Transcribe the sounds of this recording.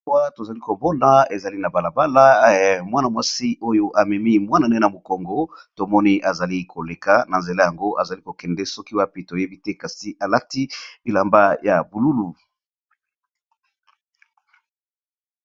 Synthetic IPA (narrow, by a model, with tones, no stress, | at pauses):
wa˦to˨za˨li˦ko˨bɔ˦na˨e˨za˨li˦na˨ba˨la˨ba˦la˦mwa˦na˨mwa˦si˦ʔo˦jo˦ʔa˨mɛ˨mi˦mwa˦na˨nɛ˦na˨mo˨kɔ˨ŋɡɔ˦to˨mɔ˦ni˦ʔa˨za˨li˦kʰo˨le˨ka˨na˨nze˨la˦ja˨ŋɡo˦ʔa˨za˨li˦ko˨kɛ˨ndɛ˦sɔ˦ki˦wa˦pe˦to˨je˦bi˦tɛ˦ka˨si˨ʔa˨la˦ti˦e˨la˨mba˦ja˨bu˨lu˦lu˨